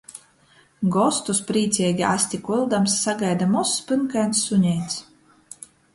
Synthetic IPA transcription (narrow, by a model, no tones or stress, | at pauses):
ɡɔst̪uspɾiːt̪sʲɛɛɡʲia̰sʲt̪ʲikuilˠd̪amsːaɡajd̪amɔsːpɨnkajnsːuɲʲɛj̪s